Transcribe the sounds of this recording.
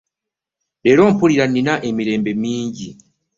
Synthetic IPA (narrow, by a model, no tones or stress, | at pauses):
ɾeɾo̞mpuliɾaninaʔemiɾe̞ːmbe̞miːɲɟi